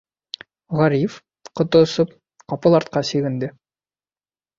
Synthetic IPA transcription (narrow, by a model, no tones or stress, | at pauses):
ʁɑɾif | qŏt̪ŏsɤp | qɑpɤlˠɑɾt̪̚qɑsiɡɘ̆nd̪ɘ